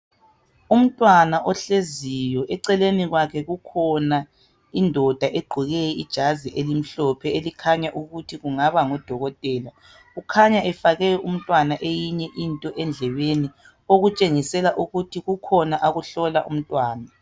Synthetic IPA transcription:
um̩tʼwanaʔɔɬezijɔʔɛǀɛleniɣwakʰɛɣukʰɔna | indʱɔd̥ʱaʔeɡ͡ǃʱuɣɛjɛḭd̥ʒ̥ʱaziʔelim̩ɬɔpʰɛelikʰaɲaʔuɣutʰiɣuŋaβaŋɔd̥ʱɔɣɔtʼɛːla | ɣukʰaɲaʔɛfaɣɛjɔʔum̩tʼwanaʔejiɲɛʔintʼɔʔɛnd͡ɮʱɛβeni | oɣut͡ʃʼeŋisɛlaʔuɣutʰiɣukʰɔnaʔaɣuɬɔlaʔṵm̩tʼwaːna

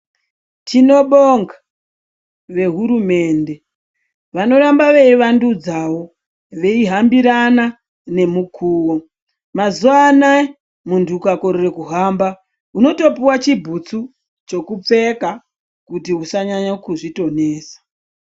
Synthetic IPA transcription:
tʰino̞ɓoŋɡa | ʋe̞ɦuɾume̞ːnde̞ | ʋano̞ɾambaʋeiʋandud͡zawo̞ | ʋe̞iɦambiɾana | ne̞mukʰuːwo | mazuana | mundukako̞ɾore̞kuɦamba | uno̞to̞piwat͡ʃibʱut͡su | t͡ʃo̞kup͡fe̞ka | kutiɦusaɲaɲakuʐito̞ne̞ːsḁ

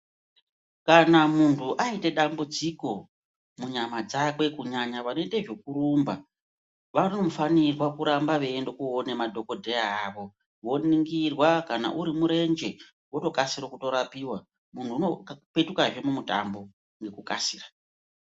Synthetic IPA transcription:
kanamuntʰuʔaite̞ɗambud͡ziko̞ | muɲamad͡zakwe̞kuɲaɲaʋano̞iteʐe̞kuɾumba | ʋano̞mfanirwakuɾambaʋe̞ːndo̞kuonemadʱo̞ko̞dʱe̞aaʋo̞ | wo̞niŋɡirwakana̰ʔuɾimuɾe̞nd͡ʒe̞ | woto̞kasirokuto̞ɾapiwa | muntʰuunokpe̞tukaʐe̞mumuta̰mbo̞ | ŋɡe̞kuka̰siːra

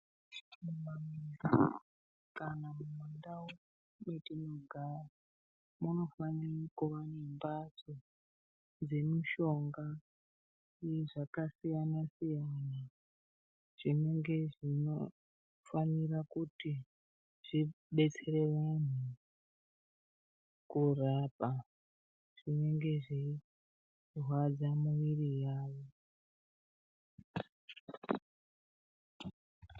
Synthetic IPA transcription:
mumamira | kanamumandao | metinoɡʱara | muno̞fanirkuʋanembaso | d͡ze̞miʃo̞ŋɡa | iʐakasijanasijana | ʐ̥ine̞ŋɡe̞ʐino | fanirakuti | ʐ̥i | ɓe̞t͡se̞re̞ʋan̤u | kurapa | ʐ̥ine̞ŋɡe̞ʐi | rwad͡zamuʋirijaːʋo

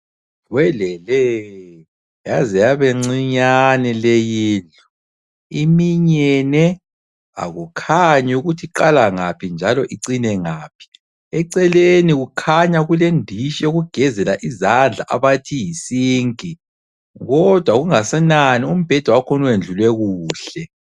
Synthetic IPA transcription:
wɛlɛlɛ | jazijaβeŋ͡ǀiɲanɛlejiːɮɔ | imiɲɛnɛ | a̰ɣukʰaɲuɣutʰiǃalaŋapʰind͡ʒʱalɔʔiǀinɛŋaːpʰi̥ | ɛǀɛleniɣukʰaɲaɣulendʱiʃɛoɣuɡ̥ʱɛzɛlaʔizand͡ɮʱaʔa̰βatʰijisiːŋkʼi | ɣɔd̥ʱwaɣuŋasɛnanium̩b̥ʱɛd̥ʱwawakʰɔnɔwend͡ɮʱulwɛɣuːɬɛ

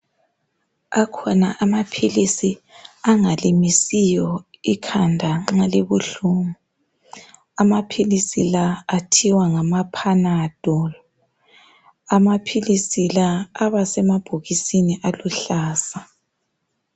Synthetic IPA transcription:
akʰɔnaʔamapʰilisi | aŋalimisijɔikʰandʱaŋ͡ǁaleβuɬuːŋu | amapʰilisilaːtʰiwaŋamapʰanad̥ʱɔl | amapʰilisilaːβasɛmab̥ʱoɣisiniʔaluɬaːsa

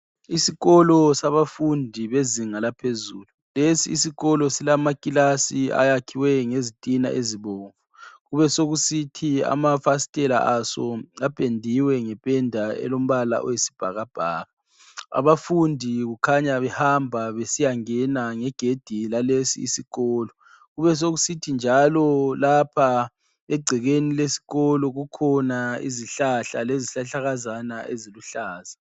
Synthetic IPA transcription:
isiɣɔlɔsaβafundʱiβeziŋalapʰezuːlulesḭːsiɣɔlɔsilamakʼilasia̰jakʰiwɛŋezitʼina̰ʔeziβoːɱvuɣuβɛsoɣusitʰia̰mafasi̥tʼɛla̰ʔasɔ̰apʼendʱiwɛŋɛpʼɛndʱaɛ̰lom̩βala̰ʔɔ̰jesi̥b̥ʱa̰ɣab̥ʱaːɣa | a̰βafundʱiɣukʰaɲaβɛhambʱaβesijaŋɛnaŋɛɡ̥ʱed̥ʱilalesḭːsiɣɔːlɔ | ɣuβɛs̬oɣusitʰind͡ʒʱalɔlapʰa | eɡ͡ǀʱiɣenilesi̥ɣɔlɔɣukʰɔnaḭziɬaɬaleziɬaɬaɣazanaʔḛziluɬaːza

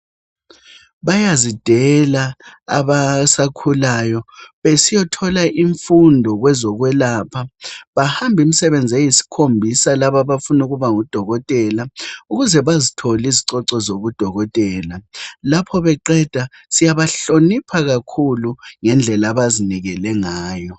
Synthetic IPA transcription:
βajazid̥ʱɛlaːβasakʰulajɔβesijɔtʰɔlaʔiɱfundʱɔɣwɛzɔɣwɛlaːpʰaβahambʱim̩sɛβend͡zʱɛjisi̥kʰombʱisalaβaβafunuɣuβaŋud̥ʱɔɣɔtʼɛlauɣuzɛβazitʰoliziǀɔǀɔzoɣud̥ʱɔɣɔtʼɛːlalapʰɔβɛǃɛd̥ʱa | sijaβaɬonipʰaɣakʰuluŋɛnd͡ɮʱɛlaβaziniɣɛlɛŋaːjɔ

